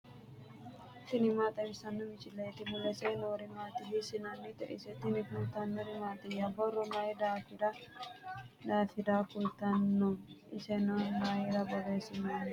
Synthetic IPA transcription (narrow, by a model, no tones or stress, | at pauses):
t̪ɪnɪmaːt̪ʼɐmɪsɐnːɔmɪt͡ʃʼɪlːet̪ɪmʊlːɛsɛnoɾɪmaːt̪ɪɦɪsɪnɐnːɪt̪ɛ̰ʔɪ̰sɛt̪ɪnɪkʊlt̪ɐnːɔɾɪmaːt̪ʼɪjabɔrːɔmaːjɪd̪aːfɪdɐ | d̪aːfɪd̪aːkʊlt̪ɐnːɔmʔɪsɛnɔmaːjɪɾɐbɔɾeːsɪnan